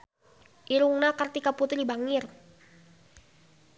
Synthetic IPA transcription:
ʔiɾuŋnakərt̪ikaput̪ɾibaŋɪr

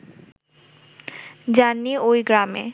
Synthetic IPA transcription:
d͡ʑanːiojɡɾamḛ

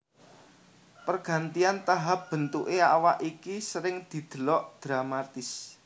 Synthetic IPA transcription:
pərɡ̥ä̤nt̪iant̪aɦap̚b̥ə̤nt̪uʔeawaʔikisəɾɪŋd̪̥i̤d̪̥ə̤lɔʔd̪̥ɾamat̪ɪs

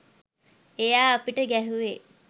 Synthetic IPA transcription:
ejaːɐpiʈəɡæɦuʋe

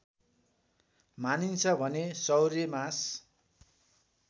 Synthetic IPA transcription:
manint͡sʰʌbʱʌnesʌwɾemas

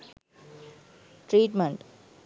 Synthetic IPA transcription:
ʈɾiːʈmeɳʈ

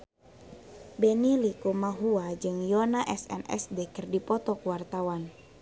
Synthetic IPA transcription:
bɛnilikumaɦuad͡ʒɨŋjɔnaʔɛsɛ̰nɛ̰sdekɨrdipɔt̪ɔkuwart̪awan

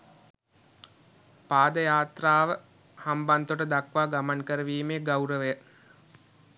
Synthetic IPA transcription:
paːd̪əjaːt̪raːʋə | hambant̪oʈəd̪akʋaːɡamaŋkəɾəʋiːmeːɡawɾəʋejə

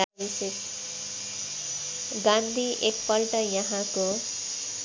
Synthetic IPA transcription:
isek | ɡãnd̪ʱiʔeppːʌlʈʌjʌɦãko

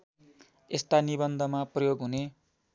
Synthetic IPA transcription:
est̪anibʌnd̪ʱʌmaprʌjoɡɦune

